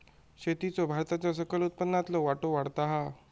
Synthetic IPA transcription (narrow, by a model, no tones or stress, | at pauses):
ɕet̪it͡sɔbʱaɾt̪at͡ɕjas̬əkəlut̪̚pənːat̪ləʋaʈoʋaɽt̪aɦa